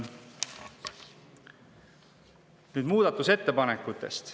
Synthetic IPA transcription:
nyːd̪muːd̪̥ɑt̪ˑːuse̞t̪ːe̞pɑnekːˑut̪ːˑe̞̰st̪

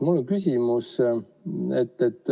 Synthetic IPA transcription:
mulkysʲimus | et̪ːet̪ːˑ

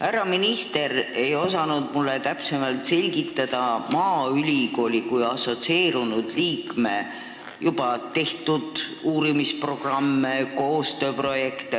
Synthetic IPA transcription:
hæɾɑminist̪e̞ɾe̞jo̞sɑnud̪mulːet̪æpse̞mɑlt̪se̞lʲɡit̪ːˑɑd̪̥ɑmɑːylʲiko̞ːlʲikujɑso̞t̪sie̞ːɾunud̪̥liːkme̞ | jub̥ɑt̪e̞ht̪ud̪̥uːɾimispro̞ɡ̥rɑmːeko̞ːst̪ø̞ːpro̞je̞kt̪e

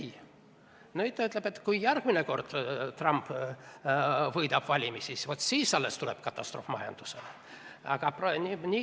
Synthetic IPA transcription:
noyt̪ːyt̪ːˑlebet̪ːkujjærɡ̥mineko̞rd̪̥t̪rɑmp | vɤjd̪ɑb̥vɑlʲimisisvot̪siːsːɑlːest̪uleb̥kɑt̪ːˑɑst̪rofmɑjɑ̰nd̪̥usele | ɑ̰ɡ̥ɑprnʲinʲi

